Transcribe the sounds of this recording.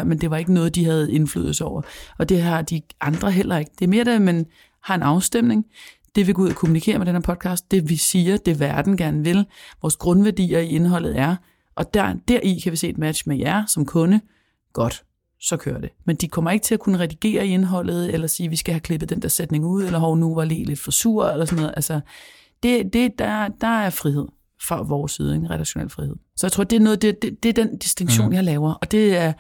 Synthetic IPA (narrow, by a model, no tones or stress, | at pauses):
ɐmend̥e̝ʋɑ̈e̝ɡ̥ənɔ̽ːð̞̩ˠd̥iɦæð̞̩ˠe̝nfly̰ð̰̩ˠsɒʊ̰ɐɒ̽d̥e̝ɦɑ̈d̥iʔɑ̈nd̥ʁɐɦel̰ɐe̝ɡ̥əd̥e̝ɐme̝ːɐɾ̥æmen | hɑ̈e̝nɑ̈ʊsd̥em̰ne̝ŋd̥e̝ʋe̝ɡ̥ɔ̽uð̰ˠɐkʰomunikʰe̝̰ːɐmed̥ɾenheɐpʰɒ̽d̥̚kʰɑ̈ːsd̥ːe̝ʋisiːɐd̥e̝ʋæɐd̥n̩ɡ̥æɐnəʋe̝lʋɒːsɡ̥ʁɔ̽nʋæɐd̥ḭːɐie̝nɦɒ̽l̰ð̩ˠæɐ | ʔɒ̽d̥æɐ̰d̥æɐʔikʰæʋise̝̰ːed̥mæd̥ɕmejæɐsɒ̽mkʰɔ̽nə | ɡ̥ɒ̽d̥ | sɒ̽kʰøːɐd̥e̝mend̥ikʰɒ̽mɐe̝ɡ̥ət͡sʰe̝lækʰunəʁɛd̥iɡ̥e̝̰ːɐie̝nəɦɒ̽l̰ð̩ˠelɐsiːʋisɡ̥æɦækʰle̝b̥ð̩ˠd̥end̥æɐsed̥ne̝ŋuð̰ˠelɐɦɒʊ̰nuʋɑ̈liːle̝d̥fɒ̽suɐ̰elɐsɔnɔ̽ːð̞̩ˠʔælsɐ | d̥e̝d̥e̝d̥ɑd̥ɑ̈æɐfʁihe̝ð̞̰ˠ | fʁɑ̈ʋɒːsið̞ˠeŋʁɛl̥æɕo̝nḛlfʁihe̝ð̰ˠsɒ̽jɑɪt͡sʰʁo̝̰d̥e̝æɐnɔ̽ːð̩ˠd̥ed̥ed̥e̝æɐd̥end̥isd̥e̝ŋɕo̝̰ːnjɑ̈ɪlɛːʊɐʔɒ̽d̥e̝æɐ